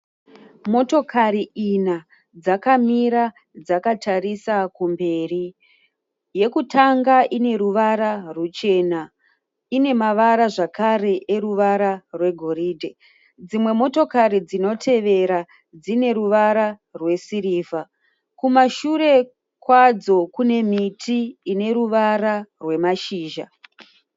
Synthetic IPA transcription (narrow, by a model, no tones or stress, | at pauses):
mo̞to̞kʰaɾiina | d͡zakamiɾa | d͡zakatʰarisakumbe̞ːri | je̞kutʰaŋɡaʔine̞ɾuʋaɾarut͡ʃe̞ːna | ine̞maʋaɾaʐakʰare̞ʔeruʋaɾarwe̞ɡʱo̞ɾiːdʱe | d͡zimwe̞mo̞to̞kaɾid͡zino̞tʰe̞ʋe̞ɾa | d͡zine̞ɾuʋaɾa | rwe̞siɾiːva | kumaʃuɾe̞ | kwad͡zo̞kune̞mitʰiːne̞ɾuʋaɾarwe̞maʃiːʒa